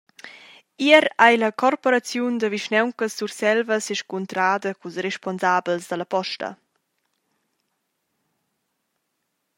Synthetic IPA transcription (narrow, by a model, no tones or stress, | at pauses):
iəɾajləkɔrpɔɾat͡sjund̪əviʃnɛwŋkəsːursɛlvəseʃkunt̪ɾaːd̪əkusrɛʃpɔnzaːbəlsd̪əlɐpɔʃtə̰